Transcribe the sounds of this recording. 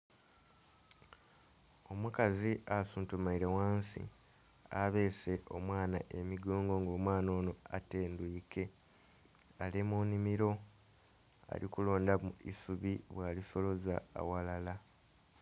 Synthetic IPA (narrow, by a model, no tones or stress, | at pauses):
o̞mukaziʔasuːntumaiɾewaːnsḭ | aβe̞ːse̞ʔo̞̰mwaːnaʔe̞miɡoːŋɡo̞ŋɡo̞ːmwaːno̞ːno̞a̰te̞ːndwiːke̞ | alemunimiɾo̞ | a̰lḭkulo̞ːndamuḭsuβiβwaːliso̞lo̞za̰ːwalala